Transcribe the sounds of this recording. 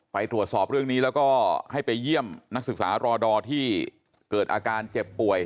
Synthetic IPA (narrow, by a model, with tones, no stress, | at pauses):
pa˧jt̪ɾu˨˩ət̪sɔː˨˩p̚ɾɯ˥˩əŋniː˦˥lɛː˦˥wkɔː˥˩ha˥˩jpa˧jːi˥˩əmna˦˥k̚sɯ˨˩k̚saː˩˦ɾɔː˧dɔː˧t̪ʰiː˥˩ | kɤː˨˩t̪̚ʔaː˧kaː˧nt͡ɕe˨˩pːu˨˩əj